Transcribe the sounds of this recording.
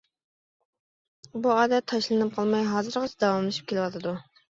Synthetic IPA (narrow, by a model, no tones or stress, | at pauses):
buɑːd̪ɛt̪ʰɑʃlˠɨnɨp̚qʰɑlˠmɑjɦɑːzɨɾʁɑt͡ʃʰɛd̪ɑwɑmlˠɨʃu̥p̚kʲelɪwɑt̪ʰɨd̪u